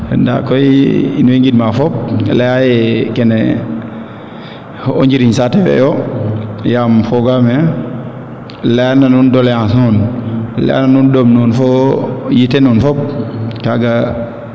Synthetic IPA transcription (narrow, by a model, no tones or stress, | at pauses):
nda̰koiḭnweŋɡidmafɔp̚lejajɛkɛnɛ | o̰ɲd͡ʒiɾiɲsatɛfɛ̰jo | jamfoɡamɛ | leananundolejãsunlḛja̰nanundomnunfojitenunfɔp̚kaɡa